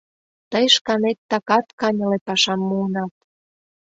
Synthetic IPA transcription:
t̪əjʃkɑnet̪ːɑkɑt̪kɑnʲɤ̆lepɑʃɑmːuːnɑt̪̚

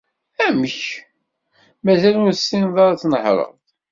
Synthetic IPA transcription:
æməç | mæzælʊɾsːinðˤɑɾˤt͡sːnəħɾˤə̰ʁðˤ

